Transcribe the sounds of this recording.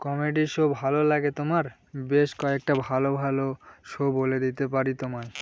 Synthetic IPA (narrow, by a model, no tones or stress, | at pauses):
kɔmeɖiʃobʱalolaɡet̪omaɾ | beʃkɔek̚ʈabʱalobʱaloʃoboled̪it̪epaɾit̪omae